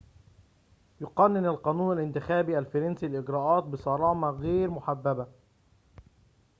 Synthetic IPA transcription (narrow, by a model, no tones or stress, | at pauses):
jʊqɑnːɪnalqɑːnuːnalʔɪnt̪ɪxæːbiːʔalfɑɾˤɑnsiːlʔɪɡɾɑːʔɑːt̪̚bɪsˤɑɾˤɑːmɑɣeːɾmʊħabːaba